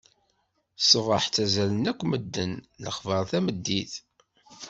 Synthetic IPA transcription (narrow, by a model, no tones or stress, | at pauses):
səvəħt͡sæzælənækʷːməd̪ːənlə̰χvəɾˤθæməd̪ːiθ